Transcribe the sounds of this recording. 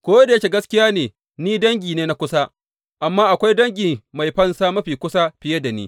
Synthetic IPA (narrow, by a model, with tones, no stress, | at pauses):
kʷoː˦da˨ja˦kʲe˨ɡɐ˦skʲɪ˦jaː˦neː˨ | niː˦dɐ˦ŋɡʲiː˨neː˦na˦kʷʊ˦sa˦ | ʔa˨mːaː˦ʔa˨kʷa˦jdɐ˦ŋɡʲiː˨ma˨jɸɐ˦nsaː˦mɐ˦ɸiː˨kʷʊ˦sa˦ɸɪ˨je˦da˨nḭː˦